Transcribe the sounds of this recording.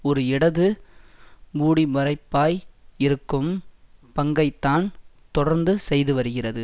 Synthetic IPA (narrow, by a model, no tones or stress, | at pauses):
ɔɾɯɪɽɐðɯ | muːɽimɐrɐɪpːaːjɪɾɯkːɯmpɐŋɡɐɪt̪ːaːn | t̪ɔɽɐɾnd̪ɯsɛjðɯʋɐɾɯɣɪrɐðɯ